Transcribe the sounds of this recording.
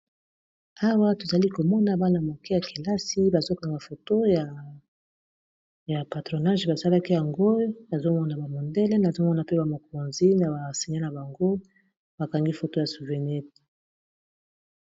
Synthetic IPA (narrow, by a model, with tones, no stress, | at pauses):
a˦wa˦to˨za˨li˦ko˨mɔ˦na˨ba˦na˨mo˨ke˦ja˨kʰe˨la˦si˦ba˨zo˦ka˨ŋɡa˨fo˨to˦ja˨ | ja˨pa˨tʁo˨na˦ʒba˨sa˦la˦ki˦ja˨ŋɡo˦na˨zo˦mɔ˦na˨ba˨mo˨ndɛ˦lɛ˦na˨zo˦mɔ˦na˨pe˦ba˨mo˨k̚o˨nzi˦na˨ba˨si˨ɲa˦na˨ba˨ŋɡo˦ | ba˨ka˨ŋɡi˦fo˨to˦ja˨su˨vɛ˨nɛ˦t